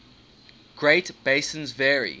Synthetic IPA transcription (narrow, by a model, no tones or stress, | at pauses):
ɡ̥ɹeɪtb̥eɪsə̃nzvɛːɹḭ